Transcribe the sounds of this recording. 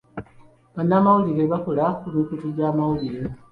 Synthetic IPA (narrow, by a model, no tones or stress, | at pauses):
βanːaːmawuliɾe̞βako̞lakumikutuɟaːmawuliɾe